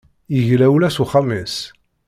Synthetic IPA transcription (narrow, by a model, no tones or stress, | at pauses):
iʝlæwlæsuχamːis